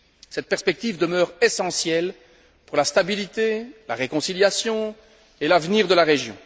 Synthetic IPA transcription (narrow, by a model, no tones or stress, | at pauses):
sɛt̪̚pɛʁspɛk̚t̪ivd̪əmœːʁesɑ̃sjɛl | puʁlast̪abilit̪ela̰ʁekɔ̃siljasjɔ̃ | elavniʁd̪əlaʁeʒjɔ̰̃